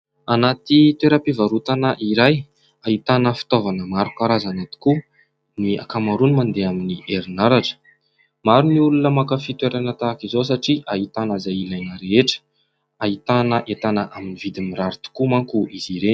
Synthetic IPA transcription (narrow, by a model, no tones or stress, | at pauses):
anat̪it̪weɾəpivaɾut̪anəʔiɾaj | aɦit̪anəfi̥t̪ovanəmaɾukaɾazanat̪i̥ku | nia̰kamaɾunimand̪eaminiʔeɾinaɾaʈ͡ʂə̥ | maɾuniulunəmakəfit̪weɾanət̪akizos̬aʈ͡ʂiʔaɦit̪anəzajilajnəɾeeʈ͡ʂə̥ | aɦit̪anəʔet̪anəʔaminivid̪imiɾaɾit̪u̥kumaŋkuʔiziɾe